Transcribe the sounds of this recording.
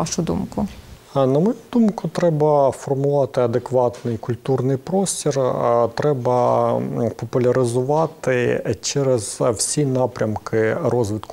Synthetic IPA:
ɑʃʊd̪ṵmkʊ | nɐmɔjud̪umkʊt̪ɾɛbɐfɔrmʊʋɑt̪ɪɐd̪ekʋɑt̪nɪjkʊlʲt̪urnɪjpɾɔsʲtʲirt̪ɾɛbɐ | pɔpʊlʲɐɾɪzʊʋɑt̪ɪt͡ʃɛɾɛz̥wsʲinɑpɾʲɐmkʰɪrɔzʋɪt̪kʊ

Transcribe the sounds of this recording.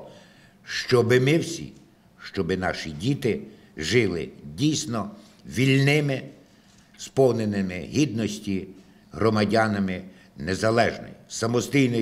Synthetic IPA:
ʃt͡ʃɔbɪmɪwsʲḭ | ʃt͡ʃɔbɪnɑ̰ʃidʲit̪ɪ | ʒɪlˠɪ̰dʲijsʲnɔ | ʋʲilʲnɪmɪ | spɔwnenɪmɪɦʲid̪nɔsʲtʲi | ɦɾɔmɐdʲanɐmɪ | nezɐlˠɛʒnɔ̰jisɐmɔsʲt̪ʲijnɔ

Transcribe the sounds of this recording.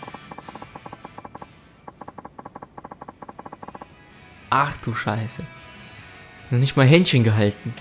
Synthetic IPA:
ʔaχd̥uːʃaɪsə | nɔχnɪçtmaːlɦɛntçənɡəɦaltn̩

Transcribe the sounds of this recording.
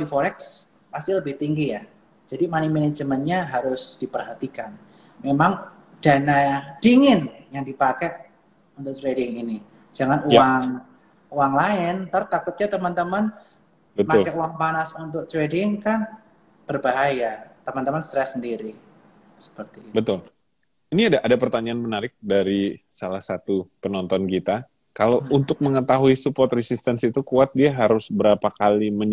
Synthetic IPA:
difoɾɛks | past̪iləbɪht̪iŋɡija | d͡ʒadimanimined͡ʒəmənɲaɦaɾʊsd̥ipərɦat̪ikan | memaŋ | d̥anad̥iŋɪnjaŋdipakɛʔ | unt̪ʊk̚t̪ɾedɪŋini | d͡ʒaŋanuwaŋ | uwaŋlaɪnt̪aɾt̪akʊt̪̚ɲat̪əmant̪əman | bətmaʊlkauaŋpanasunt̪̬ʊk̚t͡ʃwedɪŋkan | b̥ərbaɦajat̪əmant̪əmanst̪ɾɛsːəndiɾi | sə̥pərt̪ibət̪ʊl | iniadaʔadapərt̪aɲaanmənaɾɪk̚daɾisalahsat̪upənɔnt̪ɔnkit̪a | kalount̪ʊk̚məŋət̪aɦuisupɔrt̪resist̪ɛnsit̪ukuat̪̚diaɦaɾʊsbəɾapakaliməɲ

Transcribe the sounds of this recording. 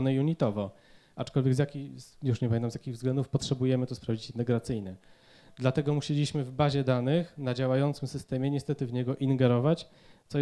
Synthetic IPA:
nɛjuɲit̪ɔvɔ | at͡ʂkɔlvʲjɛɡzjakʲijuʂɲɛpamʲent̪amzʲjakʲiɣvzɡlɛnd̪ufpɔtʂɛbujɛmɘt̪ɔspɾavd͡ʑit͡ɕɛnɛɡɾat̪sɘjnɛ | d̪lat̪ɛɡɔmuɕelʲiɕmɘvbaʑɛd̪anɘxnad͡ʑawajɔnt̪sɘmsɘst̪ɛmʲjɛɲɛst̪ɛt̪ɘvɲɛɡɔʔiŋɡɛɾɔvat͡ɕ | t̪sɔ

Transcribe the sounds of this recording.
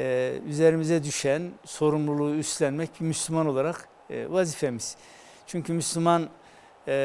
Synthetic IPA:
yzeɾimizɛd̪yʃænso̞ɾumlˠulˠuːyst̪lʲænmɛcbimyslʲymano̞lˠaɾaqː | vazifemiz̥ | t͡ʃʰyɲcʰymyslʲiman

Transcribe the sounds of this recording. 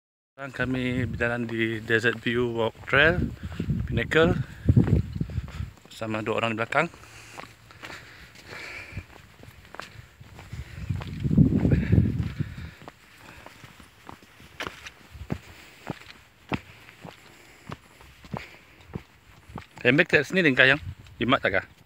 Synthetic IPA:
aŋkamĩbidalandidɛzət̪̚bjuwɔk̚t̪ɾɛlpinɛkəl | əsamaduaʔo̰ɾaŋdiblakaŋ | ɛmbɛk̚t̪ɛksnidəŋkajaŋimaʔt̪aɡah

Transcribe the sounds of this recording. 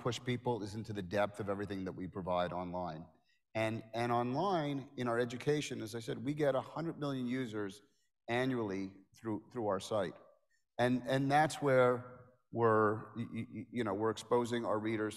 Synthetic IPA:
pʰʊʃpipl̩ˠɪzɪ̃ntʉðɨdɛp̚θʌvɛvɹiθɪ̃ŋðɨʔ̚wipʰɹ̥ɨvaɪɾɑ̃nlãɪ̃n | ɨ̃nɨ̃ñɑ̃nlãɪ̃nɨ̃ɾ̃aʊə˞ɛd͡ʒɨkʰeɪʃɨ̃nɨzaɪsɛd̚wiɡɛɾəhʌ̃ndɹəd̚mɪlˠjɨ̃njʉzə˞z | æ̃njul̩ˠiθɹuθɹuaʊə˞saɪɾ | ɨ̃nɨ̃nðætswə˞ | wɪɹ | jɨñoʊwɪɹɨkspoʊzɪ̃ŋ̰ə˞ɹiɾə˞z̥

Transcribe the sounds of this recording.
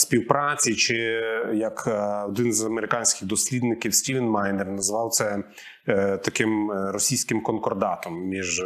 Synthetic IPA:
sʲpʲiwpɾɑt͡sʲit͡ʃɪjɐkɔd̪ɪnzɐmeɾɪkɑnʲsʲkʲɪɣd̪ɔsʲlʲid̪nɪkʲiwsʲtʲiʋɛnmɑjnernɐzʋɑwt̪sɛ | t̪ɐkɪmrɔsʲijsʲkɪmkɔnkɔrd̪ɑt̪ɔmːʲiʒ

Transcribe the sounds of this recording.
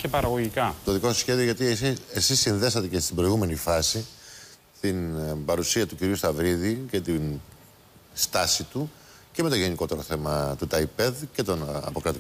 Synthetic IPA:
cepɐɾɐɣoʝikɐt̪o̞ðiko̞sçe̞ðioʝɐt̪isiesisːinðe̞sɐt̪e̞cest̪ibɾo̞iɣume̞nifɐsi | st̪inbɐɾusiɐt̪uciɾiust̪ɐvɾiðice̞t̪in | st̪ɐsit̪u | ce̞me̞t̪o̞ʝe̞niko̞t̪e̞ɾo̞θe̞mɐt̪ut̪ɐipe̞ðce̞t̪o̞nɐ̰pokɾɐt̪i

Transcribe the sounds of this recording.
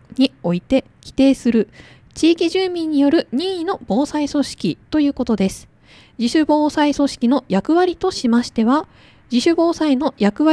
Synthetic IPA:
ɲ̟io̞it̪e̞ | kʲi̥t̪e̞ːsɨɾɯ̟ | t͡ɕiːkʲiʑɨːmʲĩɲ̟ːijo̞ɾɯ̟ɲ̟iːino̞b̥o̞ːsaiso̞ɕi̥kʲit̪o̞jɯ̟ːko̞t̪o̞d̪e̞sɨ̥ | d͡ʑiɕɨbo̞ːsaiso̞ɕi̥kʲino̞jakɯ̟βaɾʲit̪o̞ɕimaɕi̥t̪e̞βa | d͡ʑiɕɨbo̞ːsaino̞jakɯ̟βa

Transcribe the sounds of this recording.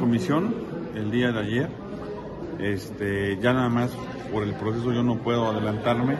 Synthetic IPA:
ko̞misjo̞ne̞ld̪iaðeaʝe̞ɾ | e̞st̪eʝanaðamas | po̞ɾe̞lpɾo̞s̬e̞s̬o̞ʝo̞no̞pwe̞ð̞o̞aðe̞lant̪aɾme̞

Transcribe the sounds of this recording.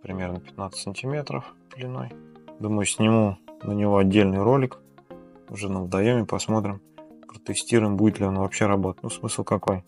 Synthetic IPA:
pɾʲɪmʲe̞rnəpʲɪ̥t̪nat̪sə̥sənʲtʲɪmʲe̞t̪ɾə̰fpɪlʲɪno̞̰jd̪uməjʊsʲnʲɪmunənʲɪvo̞ɐdʲːelʲnɨjɾo̞lʲɪk | ʊʐɛnəvəd̪ɐjomʲɪpɐsmo̞t̪ɾʲɪmpɾət̪ɨsʲtʲiɾʊjɪmbudʲɪt̪lʲɪo̞nvɐpɕːe̞ɾɐbo̞t̪ə̥tʲnusmɨslˠkɐko̞j

